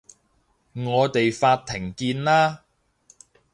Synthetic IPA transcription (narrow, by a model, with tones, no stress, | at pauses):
ŋɔː˨˧t̪e˨jfaː˧t̚t̪ʰːɪ˨˩ŋkiː˧nlaː˥